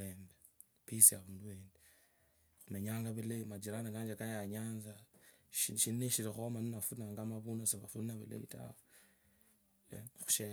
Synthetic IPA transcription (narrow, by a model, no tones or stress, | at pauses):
eːmbe | pisiaβuːnduweːnde | xume̞ɲaːŋɡaβileimad͡ʒiɾanakaːɲd͡ʒakajaɲaːnzaʃiʃineʃiɾexomaninafunaŋɡamaβunaseβafunnaβḭlḛβḭta̰w | xu̥ʃe